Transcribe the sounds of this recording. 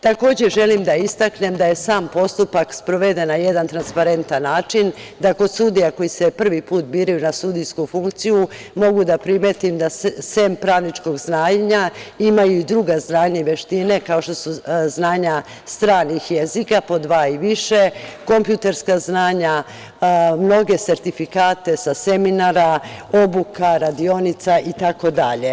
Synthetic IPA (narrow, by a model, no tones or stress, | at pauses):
t̪ako̞ːd͡ʑeʒe̞limd̪aist̪akne̞md̪aje̞saːmpo̞st̪upakspɾo̞ʋe̞d̪e̞naje̞d̪ant̪ɾanspaɾe̞nt̪anːaːt͡ʃind̪ako̞d̪sud̪ijako̞jisepr̩ʋipuːt̪biːɾajunasud̪ijskufuŋkt̪siju | mo̞ɡud̪apɾimet̪imd̪asempɾaːʋnit͡ʃko̞ɡznaːɲɲaimajuid̪ɾuɡaznaːɲaiʋe̞ʃt̪ine̞kaoʃt̪o̞suznaːɲa | st̪ɾaːnixjezikapo̞d̪ʋaːiʋiʃeko̞mpjuːt̪e̞ɾskaznaːɲa | mno̞ɡe̞se̞ɾt̪ifikaːt̪e̞saseminaɾao̞bukaɾad̪io̞nit̪saʔit̪ako̞d̪aʎe̞